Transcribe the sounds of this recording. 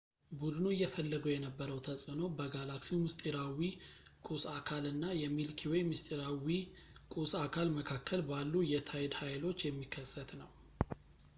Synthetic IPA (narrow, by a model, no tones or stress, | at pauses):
bud̪ɨnuɨjːɛfəlːəɡujɛnəbːəɾəwt̪ʰəsʼɨno̞bəɡalaksimɨst̪ʼiɾawikʼusakʰalɨnːajɛmilkʰiwɔjmɨst̪ʼiɾawikʼusakʰalməkʰakːəlbalːujɛt̪ʰajɛd̪hajlo̞t͡ʃːjɛmːikʰːəsːət̪nəw